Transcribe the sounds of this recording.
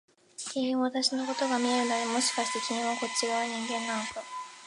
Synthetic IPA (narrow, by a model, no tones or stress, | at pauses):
kʲiɲĩβat̪aɕino̞ko̞t̪o̞ɡamʲie̞ɾɯ̟nad̪emo̞ɕi̥kaɕi̥t̪e̞kʲiɲĩɰ̃βako̞t͡ɕːiɾaβɲ̟ĩŋɡẽ̞nːanok̪o